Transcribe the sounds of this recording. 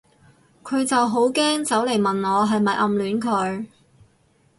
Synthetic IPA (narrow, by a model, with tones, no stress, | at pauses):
kʰɵ˨˧ɥt͡sɐ˨wɦo˨˥wkɛː˥ŋt͡sɐ˨˥wle˨˩jmɐ˨nɔː˨˧ɦɐ˨jmɐ˨jʔɐ˨mlyː˨˥nkʰɵ˨˧˥ɥ